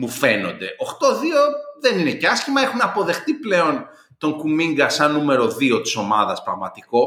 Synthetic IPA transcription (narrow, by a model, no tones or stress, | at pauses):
mufe̞no̞̰nd̪e̞ʔoxt̪o̞ðio̞ðe̞nine̞ceɐscimɐexunɐpo̞ðe̞xt̪iple̞o̞n | t̪o̞ŋkumiŋɡɐsɐnːume̞ɾo̞ðio̞t̪i̥so̞mɐðɐspɾɐɣmɐt̪iko̞